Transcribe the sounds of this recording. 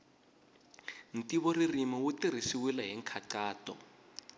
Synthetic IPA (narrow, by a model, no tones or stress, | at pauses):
n̩tiβɔririmawutir̤isiwilaɦɛŋkʰaǀaːtɔ̰